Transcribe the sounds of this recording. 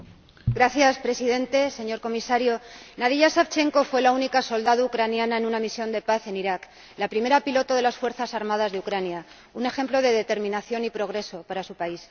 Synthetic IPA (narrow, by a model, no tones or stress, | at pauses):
ɡɾaθjaspɾe̞siðe̞nt̪e̞seɲo̞ɾko̞misaɾjo̞naðiʝasaft͡ʃe̞ŋko̞fwe̞launikaso̞ld̪aðoukɾanjanaenunamisjo̞nd̪e̞paθe̞niɾak | lapɾime̞ɾapilo̞t̪oðe̞lasfwe̞ɾθasaɾmað̞azðeukɾanja | une̞xe̞mplo̞ð̞e̞ðe̞t̪e̞ɾmĩnaθjo̞nipɾo̞ɣɾe̞so̞paɾasupais